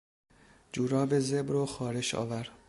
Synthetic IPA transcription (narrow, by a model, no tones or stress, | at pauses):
d͡ʒuːɾɒːbezebɾoxɒːɾe̞ʃɒ̰ːvæɾ